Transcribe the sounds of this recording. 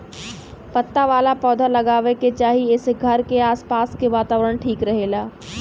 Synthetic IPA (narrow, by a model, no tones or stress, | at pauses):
pət̪ːaʋaːlapɔːd̪ʱalɐɡaːʋeket͡ʃaːɦiɪsɡʱɐɾkeaːspaːskeʋaːt̪aːʋɾəɽ̃ʈʰiːkɾɐɦeːlaː